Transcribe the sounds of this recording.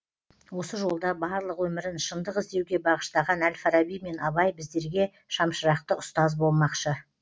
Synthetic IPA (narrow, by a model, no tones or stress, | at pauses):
wo̞səʒo̞lˠd̪ɑbɑɾlˠəqwɵmɪɾɪnʃənd̪əqɪzd̪e̞wɡʲe̞bɑʁəʃt̪ɑʁɑnælfaɾɑbijme̞nɑβɑjbɪzd̪e̞ɾɡʲe̞ | ʃɑmʃəɾɑq̚t̪əʊst̪ɑzbo̞lˠmɑqʃə